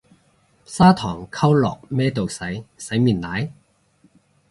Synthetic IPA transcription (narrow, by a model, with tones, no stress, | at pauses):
saː˥t̪ʰɔː˨˩ŋkʰɐ˥wlɔ̰ː˨k̚mɛː˥t̪o˨wsɐ˨˥jsɐ˨˥jmiː˨˩nlaː˨˥j